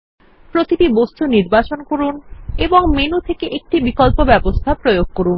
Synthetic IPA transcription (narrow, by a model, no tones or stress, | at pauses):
pɾot̪iʈibost̪ʰuniɾbat͡ɕonkoɾuneboŋmenut̪ʰekeʔek̚ʈibikolpobɛbost̪ʰapɾojoɡ̚koɾun